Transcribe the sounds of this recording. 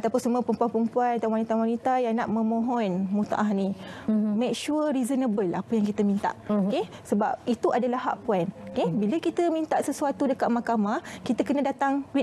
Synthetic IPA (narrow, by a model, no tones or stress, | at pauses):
at̪apʊnsəmũapəmpuanpəmpuanat̪anwanit̪awanit̪ajaŋnaʔmə̃mõɦɔnmut̪a̰ʔaɦnimek̚ʃuɾizənəbəlapəjãŋkit̪əmĩnt̪a̰ʔke | səbap̚it̪uʔadalahɦa̰ʔpuanokebiləkit̪əmĩnt̪aʔsəsuat̪udəkat̪̚makamakit̪əkənə̃dat̪aŋwi